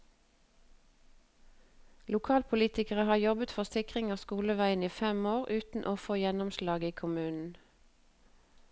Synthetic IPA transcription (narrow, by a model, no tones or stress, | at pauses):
lʊkʰɑːlpʰʊliːt̪ɪkəʁəhɑːjɔbət̪fɔʁsɪkʁɪŋɑːskuːləʋæɪəniːfɛmoːʁʔʉːt̪n̩ʔoːfoːjɛnʊmʃlɑːɡiːkʰʊmʉːnn̩